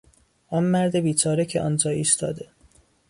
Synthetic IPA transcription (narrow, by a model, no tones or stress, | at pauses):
ʔɒːnmæɾd̪ebiːt͡ʃʰɒːɾecʰeʔɒ̰ːnd͡ʒɒːiːst̪ʰɒ̰ːd̪e